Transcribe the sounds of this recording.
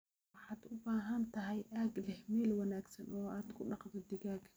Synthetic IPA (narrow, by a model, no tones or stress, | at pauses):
ħɑːd̪ʊbaːɦɐnt̪ʰɐɦɛjʔaːɡlɛhmɛːlwɑnaːɡsɐnʔɔːaːd̪kʰʊɖɑqd̪ɔd̪ɪɣaːɡ